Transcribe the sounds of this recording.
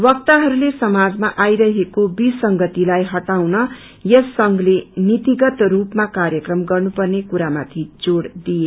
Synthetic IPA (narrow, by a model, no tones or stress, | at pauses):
wʌkt̪aɦʌɾulesʌmad͡zmaʔajɾʌɦekobisʌŋɡʌt̪ilajɦʌʈawnʌ | jʌsːʌŋɡlenit̪iɡʌt̪rupmakarjʌkrʌmɡʌrnupʌrnekuɾamat̪ʰid͡zoɽd̪ije